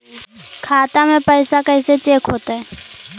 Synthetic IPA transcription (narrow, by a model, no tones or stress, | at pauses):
kʰaːt̪amẽpəɪsakəɪset͡ʃeːkʰɦoːt̪aɦɛ